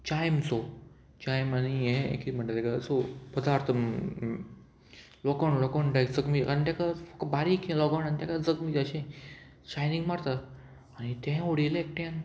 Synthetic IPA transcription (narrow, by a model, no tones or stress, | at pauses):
t͡ɕajmt͡so | t͡ɕajmanijẽḛkim̤əɳʈat̪ekat͡sopəd̪aɾt̪ʰəm | lɔkəɳlɔkəɳʈakd͡zəɡmit̪kant̪akafəkbaɾikʰẽlɔɡəɳant̪akad͡zəɡmiaɕẽ | t͡ɕajniŋɡmaɾt̪a | anit̪ɛ̃oɽilek̚ʈɛ̃n